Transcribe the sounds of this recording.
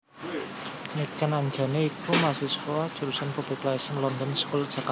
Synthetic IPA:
nikənaɲd͡ʒa̤neikumasiskoad̥ʒ̥uɾusanpub̥iklasənlɔnd̪ɔnskulʒ̥aka

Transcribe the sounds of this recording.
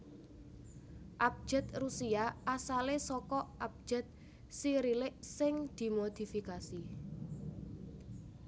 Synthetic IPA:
ʔap̚d̥ʒ̥ɛ̤t̪̚rusiaasalesɔkɔap̚d̥ʒ̥ɛ̤t̪̚ | siɾilɪʔsɪŋd̪̥i̤mod̪̥i̤fikasi

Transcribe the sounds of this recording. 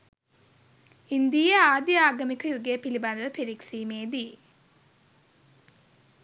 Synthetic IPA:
ind̪ijɐaːd̪jaːɡɐmikʰɐjuɡepiliband̪ɐdɐpeɾiksiːmeːd̪ij

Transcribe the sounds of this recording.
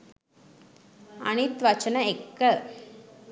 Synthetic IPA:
ɐ̰nit̪ʋɐt͡ʃənəekːə

